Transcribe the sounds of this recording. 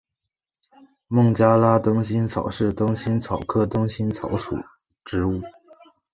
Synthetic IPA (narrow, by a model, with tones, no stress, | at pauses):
mʊ˥˩ŋt͡ɕja˥la˥t̪ʊ˥ŋɕ̬i˥nt͡sʰɑ˨˩ʊʂɻ̩˥˩t̪ʊ˥ŋɕi˥nt͡sʰɑ˨˩ʊkʰɤ˥˩t̪ʊ˥ŋɕi˥nt͡sʰɑ˧˥ʊʂṵ˨˩˦ | ʈ͡ʂɻ̩˧˥u˥˩